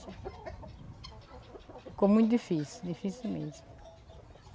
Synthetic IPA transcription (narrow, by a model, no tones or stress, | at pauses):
kõmũj̃t̪̬d̪ifisid̪ifisilmẽt̪